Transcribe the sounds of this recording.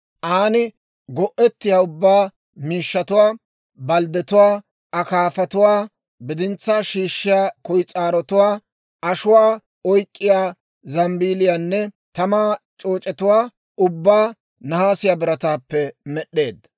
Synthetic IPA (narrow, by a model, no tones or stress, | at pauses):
ʔaːnɪ | ɡɔʔɛt̪ːɪjaːʊbːaː | miːʃːɐt̪ʊwaː | bɐld̪ɛt̪ʊwaː | ɐkaːfɐt̪ʊwaː | bɪd̪ɪnt͡sːaːʃiːʃːɪjaːkɔjt͡sʼaːɾɔt̪ʊwaː | ɐʃʊwaː | ɔjkʼːɪjaː | zɐmbiːlɪjaːnːɛ | t̪ɐmaːt͡ʃʼoːt͡ʃʼɛt̪ʊwaː | ʊbːaː | nɐhaːsɪjaːbɪɾɐt̪aːpːɛmɛɗːe̞ːd̪